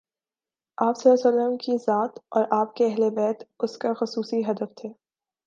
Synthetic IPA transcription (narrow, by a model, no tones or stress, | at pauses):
aːpsɐlːasəlːəmkizaːt̪ɔːɾʔaːp̚keɛɦlebɛːt̪ʊskaxʊsuːsiɦɐd̪əft̪ʰeː